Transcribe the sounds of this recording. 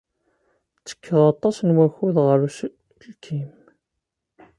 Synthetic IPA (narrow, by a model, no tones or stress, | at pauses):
t͡sːə̥kʰːəðɑt̪ˤːɑsnwæçuðʁəɾus | lkʰim